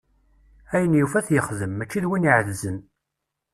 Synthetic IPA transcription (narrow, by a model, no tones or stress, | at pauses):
æjənjufæθjəχðəmːæt͡ʃːiðwiniʕəðzən